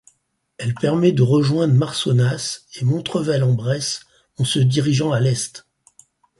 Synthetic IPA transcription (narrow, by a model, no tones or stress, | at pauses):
ɛlpɛʁmɛd̪əʁəʒwɛ̃d̪ʁmaʁsɔnasemɔ̃t̪χəvɛlɑ̃bʁɛs | ɑ̃səd̪iʁiʒɑ̃alɛst̪